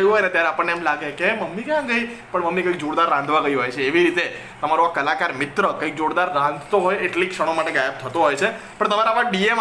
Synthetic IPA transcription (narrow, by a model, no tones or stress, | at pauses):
juɦojnet̪jaɾeapəɳːeɛmlaɡekeməmːikjãɡəipəɳməmːikəikd͡ʒoɽd̪aɾːãnd̪ʱʋaɡəjũɦojt͡ʃʰeːʋiɾit̪e | t̪əmaɾoakːəlakaɾmɪt̪ɾəkəik̚d͡ʒoɽd̪aɾːãnd̪ʱt̪oɦojeʈlikʂəɽ̃omaʈeɡajep̚t̪ʰət̪oɦojt͡ʃʰe | pəɳt̪əmaɾapaʈ̚ɖiem